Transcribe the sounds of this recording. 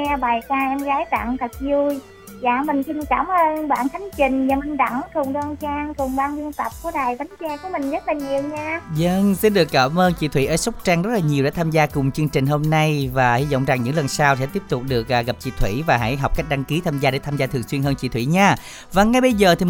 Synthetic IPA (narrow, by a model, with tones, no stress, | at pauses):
ɛ˧ɓaː˨˩jkaː˧ʔɛ˧mɣaː˨˦jt̪a̰˧˨ŋt̪ʰə˨˩t̚zu˧j | zaː˧˩mï˨˩ŋ̟si˧nkaː˧˩mʔəː˧nɓa̰ː˧˨nt̪ʰa˨˦jŋ̟t͡ɕï˨˩ŋ̟zaː˨˩mï˨˩ŋ̟ɗa̰˧˩ŋkʊ˨˩ŋ͡mɗɔ˧nt͡ɕaː˧ŋkʊ˨˩ŋ͡mɓaː˧nlɨ˧əŋt̪ə˨˩p̚ku˧˩əɗaː˨˩jva˨˦ŋ̟t͡ɕɛ˧ku˧˩əmï˨˩ŋ̟zə˦˥t̚laː˨˩ɲi˨˩əwɲaː˧zə˧ŋsi˧nɗɨ˨˩əkːaː˧˩mʔəː˧nt͡ɕḭ˧˥t̪ʰwḭ˧˥˨ʔəː˧˨˦sa˦˥wk͡p̚t͡ɕaː˧ŋzə˦˥t̚laː˨˩ɲi˨˩əwɗḛ˧˦t̪ʰaː˧mzaː˧kʊ˨˩ŋ͡mt͡ɕɨ˧əŋt͡ɕï˨˩ŋ̟ɦo˧mna˧jvaː˨˩hi˧zɔ̰˧˨wŋ͡mza˨˩ŋɲɨ̰˧˥ŋlə˨˩nsaː˧wsɛ̰˧˥t̪i˦˥p̚t̪ʊ˨˩k͡p̚ɗɨ˨˩ək̚ʔaː˨˩ɣa˨˩p̚t͡ɕḭ˧˥t̪ʰwḭ˧˩˨vaː˨˩ɦa̰˧˥jɦa˨˩k͡p̚ka˦˥jk̟̚ɗa˧ŋki˨˦t̪ʰaː˧mzaː˧ɗe˧˩t̪ʰaː˧mzaː˧t̪ʰɨ˨˩ŋswi˧ənɦəː˧nt͡ɕḭ˧˥t̪ʰwḭ˧˩ɲaː˧ | vaː˨˩ŋːa˨˩jɓə˧jzəː˨˩t̪ʰi˨˩